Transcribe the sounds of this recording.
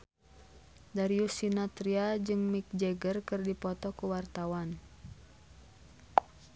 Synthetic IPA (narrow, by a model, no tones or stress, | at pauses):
daɾiusinat̪ɾiad͡ʒɨŋmik̚d͡ʒɛɡərkɨrdipɔt̪ɔkuwart̪awan